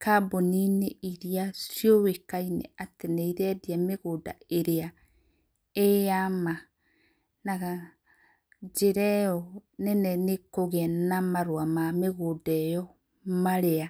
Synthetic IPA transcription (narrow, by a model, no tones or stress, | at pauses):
kʰabonineʔiɾiasjowekainɛ̰atenɛiɾɛdiameɣoːda̰eɾea | ejama | naɣa | d͡ʒeɾɛɔnɛnɛnekoɣɛnamaɾwamameɣodɛjɔ | maɾea